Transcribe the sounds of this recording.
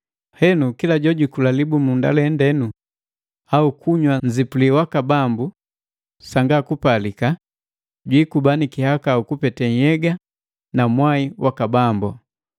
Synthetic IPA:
hɛnukilaɟɔɟikulalibumunda̰lɛndɛnu | aukʰuɲwaɲzipuliwakabambu | saŋɡakupalika | ɟwikubanikihakaukupɛtɛɲjɛɡa | namwaiwʔakabambɔ

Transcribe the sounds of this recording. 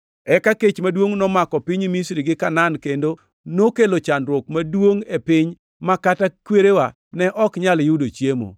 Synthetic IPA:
ɛkaket͡ʃmadwoŋnɔmakɔpɪɲimisɾiɡɪkanankendo | nokelot͡ʃanɾwokmadwoŋepɪɲ | makatakweɾewa | nɛʔɔkɲaljudot͡ʃjemo̰

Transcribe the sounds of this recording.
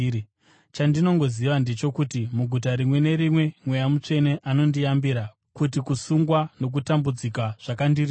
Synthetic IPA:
t͡ʃandino̞ŋɡo̞ziʋande̞t͡ʃo̞kutimuɡʱut̬aɾimwe̞ne̞ɾimwe̞mwe̞jamut͡ʂe̞ne̞ʔano̞ndijambiɾa | kut̬ikusuŋɡwano̞k̬utambud͡zikaʐ̥akandiri

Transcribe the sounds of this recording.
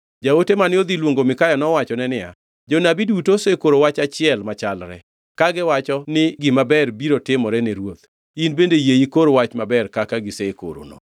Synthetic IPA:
d͡ʒaotemanɪod̪ilwoŋɡomɪkajɔnɔwat͡ʃɔnɛnɪa̰ | d͡ʒonabidutosekoɾowat͡ʃat͡ʃɪɛlmat͡ʃalɾɛ̰ | kaɡɪwat͡ʃɔnɪɡɪmabɛrbiɾotɪmɔɾɛnɛɾwot̪ | inbendejeikoɾowat͡ʃmabɛrkakaɡɪseko̰ɾo̰no̰

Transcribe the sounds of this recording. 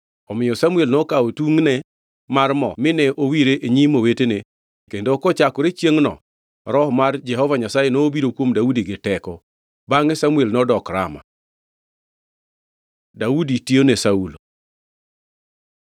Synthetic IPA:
ɔmɪjɔsamuelnɔkaotuŋnɛ | marmɔ̰mɪnɛʔowiɾeʔeɲimowetene | kendokɔt͡ʃakɔɾet͡ʃjeŋnɔ̰ | ɾɔhmard͡ʒɛɦɔvaɲasajenoːbiɾokwomdaudiɡɪtɛkɔ | baŋɛsamuelnɔdɔkɾa̰ma̰ | dauditionesaulo

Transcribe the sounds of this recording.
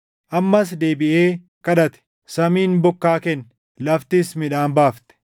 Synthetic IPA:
ʔɐmːɐsd̪e̞ːbɪʔeː | kɐᶑɐt̪ɛ̥ | sɐmiːnbɔkːaːkɛn | lɐft̪ɪsmɪᶑaːnbaːft̪ɛ̥

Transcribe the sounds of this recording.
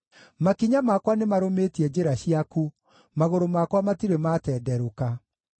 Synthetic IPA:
makiɲamakwanemaɾometiɛd͡ʑeɾaɕiaku | maɣoɾomakwamatiɾematɛːdɛɾoka

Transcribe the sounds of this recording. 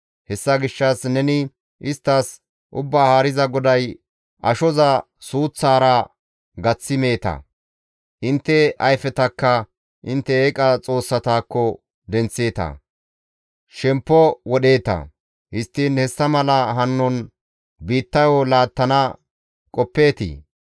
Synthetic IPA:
hɛsːɐɡɪʃːɐsnɛnɪ | ʔɪst̪ːɐs | ʔʊbːaːhaːɾɪzɐɡɔd̪ɐj | ʔɐʃɔzɐ | suːt͡sːaːɾɐ | ɡɐt͡sːɪme̞ːt̪ɐ̰ | ʔɪnt̪ːɛɐjfɛt̪ɐkːɐ | ʔɪnt̪ːɛeːkʼɐt͡sʼo̞ːsːɐt̪aːkːɔ | d̪ɛnt͡sːe̞ːt̪ɐ̰ | ʃɛmpːɔwɔɗe̞ːt̪ɐ̰ | hɪst̪ːiːnhɛsːɐmɐlɐɦɐnːɔn | biːt̪ːɐjɔlaːt̪ːɐnɐ | kʼɔpːe̞ːt̪ḭː

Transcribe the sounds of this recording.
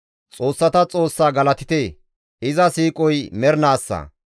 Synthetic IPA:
t͡sʼo̞ːsːɐt̪ɐt͡sʼo̞ːsːaːɡɐlɐt̪ɪt̪eː | ɪzɐsiːkʼɔjmɛɾnaːsːɐ̰

